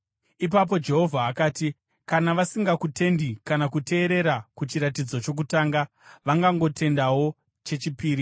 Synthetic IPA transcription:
ip̬ap̬o̞d͡ʒe̞ɦo̞vʱaːkaːti | kanaʋasiŋɡakute̞ndikanakutʰe̞ːɾe̞ɾakut͡ʃiɾat̬id͡zo̞t͡ʃo̞k̬utaːŋɡa | ʋaŋɡaŋɡo̞tʰe̞ndawo̞ | t͡ʃe̞t͡ʃipiːɾi

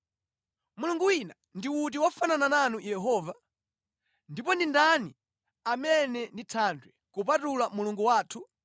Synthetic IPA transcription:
muluŋɡuwina | ndiwut̬iwafananananujɛɦɔːva | ndipɔndindani | amɛnɛnditʰandwɛkup̬atulamuluŋɡuwaːtʰu

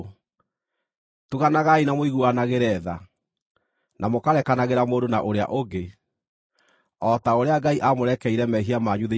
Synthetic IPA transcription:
tuɣanaɣainamoiɣuanaɣeɾɛða | nʔamokaɾɛkanaɣeɾamoːndonaʔoɾea̰ʔoɡe | ɔtaoɾeaɡaiʔamoɾɛkɛiɾɛmɛɦiamaɲuðe

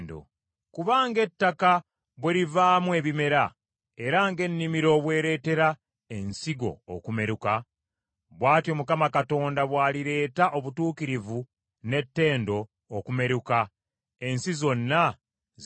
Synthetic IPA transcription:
ndo̰ | kuβaːŋɡe̞tːaka | βweɾivaːmwe̞ːβime̞ɾa | e̞ɾaŋɡe̞nːimiɾo̞ːβwe̞ːɾe̞ːte̞ɾa | e̞nsiɡo̞̰ːkume̞ɾuka | βwaːtjo̞mukamakato̞ːndaβwaːliɾe̞ːtaʔo̞βutuːkiɾivu | ne̞tːe̞ːndo̞ː | kume̞ɾuka | e̞nsizo̞nːa | z

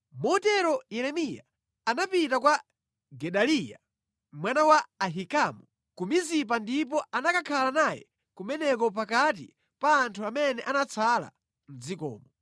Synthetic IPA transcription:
mɔtɛɾɔjɛɾɛmija̰ | anapitakwa | ɡɛɗalija̰ | mwanawaːɦikamɔ | kumizip̬andip̬ɔanakakʰalanajɛ̰ | kumɛnɛkɔp̬akat̬ḭ | paːntʰuamɛnɛʔanat͡sʰala̰ | n̩zikɔ̰ːmɔ

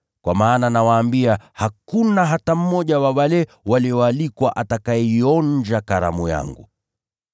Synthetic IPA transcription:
kwa̰maːnanawaːmbiahakunaɦatam̩mɔʄawawalɛ | waliɔalikwaʔatakaɛiɔɲd͡ʒakaɾa̰muja̰ŋɡṵ

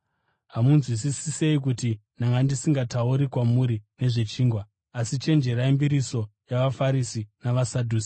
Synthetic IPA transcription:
ɦamunzwis̬isise̞ik̬uti | naŋɡandisiŋɡatauɾikwamuɾine̞ʐe̞t͡ʃiːŋɡwaː | sit͡ʃe̞nd͡ʒe̞ɾaimbiɾiso̞jaʋafaɾisinaʋasadʱuːsi̥

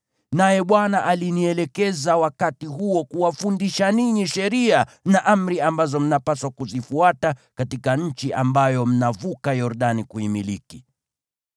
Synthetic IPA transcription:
najɛɓwanaʔaliniɛlɛkɛzawakatiɦuɔkuwafundiʃaniɲiʃɛɾianaʔam̩ɾiambazɔm̩napaswakuzifuatakatikaɲ̩t͡ʃiʔambajɔm̩navukajɔɾɗanikuimiliki

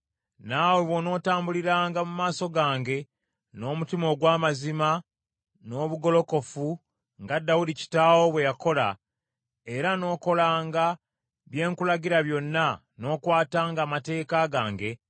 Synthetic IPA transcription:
naweβwo̞no̞ːtaːmbuliɾaːŋɡamumaːso̞ɡaːŋɡe̞ | no̞ːmutimo̞ɡwaːmazima | no̞ːβuɡo̞lo̞ko̞fu | ŋɡadːawudici̥taːwo̞βwe̞jako̞la | e̞ɾano̞ːko̞laːŋɡa | βje̞ːŋkulaɟiɾaβjo̞nːa | no̞ːkwaːtaːŋɡaːmate̞ːkaɡaːŋɡe̞

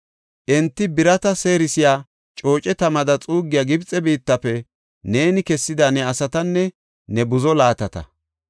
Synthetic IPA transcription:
ʔɛnt̪ːɪbɪɾɐt̪ɐse̞ːɾɪsɪjaː | t͡ʃʼo̞ːt͡ʃʼɛt̪ɐmɐd̪ɐt͡sʼuːɡːɪjaːɡɪbt͡sʼːɛbiːt̪ːɐfɛ | neːnɪkɛsːɪd̪anɛɐsɐt̪ɐnːɛ | nɛbʊzɔlaːt̪ɐt̪ɐ̰

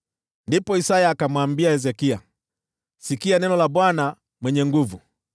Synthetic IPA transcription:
ndipɔisajaːkamwambiaɛzɛkia | sikianɛnɔlaɓwana | mwɛɲɛŋɡuvu

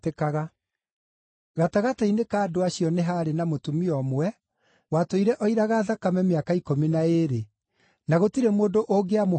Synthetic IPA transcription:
tekaɣa | ɣataɣatainekaːdoaɕijɔneɦaːɾenamotumiɔmwɛ | watoiɾɛʔɔiɾaɣaðakamɛmeakaikominaeɾe | naɣotiɾɛmoːndoʔoɡeamo

